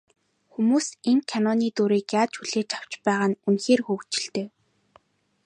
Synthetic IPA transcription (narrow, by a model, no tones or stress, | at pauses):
xumuːseŋkʰanɔniːt̪uɾiːkjaːt͡ɕxuɮ̥eːt͡ɕʰaw̥t͡ɕpæːʁaːnunxeːrxuːwt͡ɕɪ̆ɬt̪eː